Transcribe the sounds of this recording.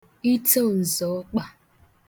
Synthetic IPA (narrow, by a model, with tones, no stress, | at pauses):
i˦to˦˨n̩˨zɔ˨˦k͡pa˨